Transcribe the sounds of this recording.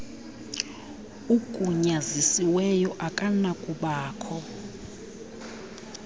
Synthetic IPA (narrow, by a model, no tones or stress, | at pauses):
ukʼuɲazisiwɛjɔʔakʼanakʼuɓaːkʰɔ